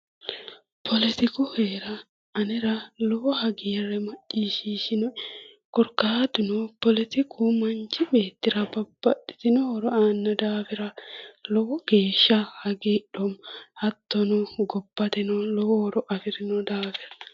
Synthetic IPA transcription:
pʰɔlɪt̪ɪkʊheːɾɐ | ɐnɛɾɐlɔwɔhɐɡirɛmɐt͡ʃːiːʃiːʃɪnɔ | kɔɾkːaːd̪ʊnɔpɔlɪt̪ɪkʰumɐnt͡ʃːɪbe̞ːt̪ːɪɾɐbɐb̥ːɐɗɪ̥t̪ɪnɔwɔɾɔaːnːɐd̪aːfɪɾɐlɔwɔɡ̥e̞ːʃːɐhɐɡiːɗɔmhɐt̪ːɔnɔɡɔb̥ːɐt̪ɛnɔlɔwwɔɾɔʔɐfɪɾɪnɔd̪aːfɪɾɐ

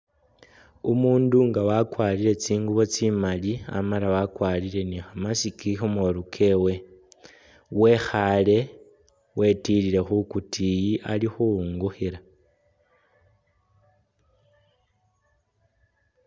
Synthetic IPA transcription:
umuːnduŋɡawakwaliɾe̞t͡siːŋɡuβo̞t͡simalia̰malawakwalile̞nixamasikixomoɾukʰe̞we̞ | we̞xale̞ | wʔe̞tiliɾe̞xukutʰijiʔalixuuŋɡuxiɾa

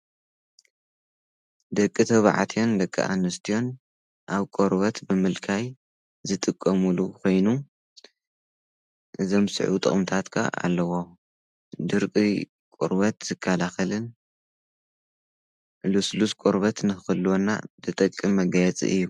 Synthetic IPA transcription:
d̪ɐkʼːit̪ʰɐβʕa̰t̪ʰijo̞nd̪ɐkʼːḭʔa̰nːɨst̪ʰijo̞n | ʔaβkʼoɾbɐt̪bɨmɨlkʰaj | zɨt̪ʼɨkʼːɐmulukʰo̞jnu | ʔɨzo̞msɨ̰ʕut̪ʼɨ̰χʼɨmt̪ʰat̪kʰa̰a̰lːɐwo | d̪ɨɾkʼi | kʼo̰ɾbɐt̪z̥ɨkʰːalaxɐlɨn | lusluskʼoɾβɐt̪nɨxɨlːwonːa̰d̪ɨt̪ʼɐkʼːɨmːɐɡajɛt͡sʼḭʔɨ̰jːu

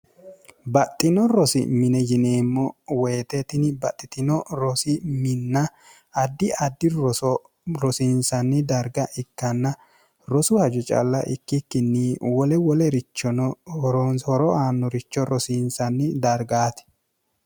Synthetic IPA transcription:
bɐt̪ʼːɪnɔɾɔsɪ̰mɪnɛjɪneːmːɔweːt̪ɛt̪ɪnɪbɐt̪ʼːɪt̪ɪnɔɾɔsɪmɪnːɐ | ɐd̪ːɪɐd̪ːɪ | ɾɔsiːnsɐnːɪd̪ɐɾɡɐʔɪkːɐnːɐ | ɾɔsʊhɐd͡ʒʊt͡ʃʼɐ̰lːɐ̰ʔɪkːɪkːɪnːɪwɔlɛwɔlɛɾɪt͡ʃːɔnɔɾnhɔɾɔaːnːɔɾɪt͡ʃːɔɾɔsiːnsɐnːɪd̪ɐɾɡaːt̪ɪ̥

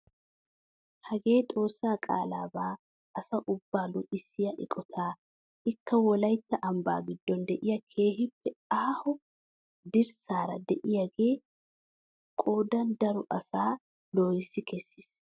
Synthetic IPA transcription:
hɐɡe̞ːt̪ʼo̞ːsːaːkʼa̰ːlaːbaː | ɐsɐʔʊbːaːlʊʔɪsːɪjɐʔɪ̰kʼɔt̪ʰaː | ʔɪkːɐwɔlɐjt̪ːɐʔɐmba̰ːɡɪd̪ːɔnd̪ɛʔɪjɐkʰe̞ːhɪpːɛaːhʊ | d̪ɪɾsaːɾɐ̰d̪ɛʔɪjɐɡe̞ː | kʼo̞ːd̪ɐnd̪ɐɾʊʔɐsaː | lo̞ːjɪsːɪkʰɛsːɪs

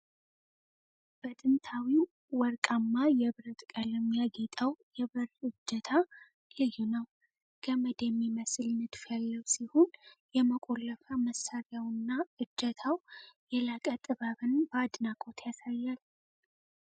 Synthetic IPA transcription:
b̥ət̪ʼɨnt̪ʰawi | wɔɾkʼamːajɛβɨɾət̪ʼkʼələmjaɡet̪ʼawjɛβɨɾɨd͡ʒːət̪ʰa | lɨjːunəw | ɡ̥ʰəməd̪əmːiməsɨlnɨd̪fəlːəwsihonjɛməkʼo̞lːəfaməsːaɾjjawɨnːaɨd͡ʒːət̪ʰawjɛlakʼət̪ʼɨβaβɨnbəad̪nakʼo̞t̪ʰjasajːal

